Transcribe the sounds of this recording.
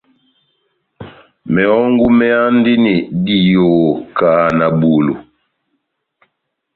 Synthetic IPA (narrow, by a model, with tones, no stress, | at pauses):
mɛ˨ɔ˦ŋɡu˦mɛ˦a˦n˦di˦ni˨di˦˨jo˨kaː˨na˨bu˨lṵ˨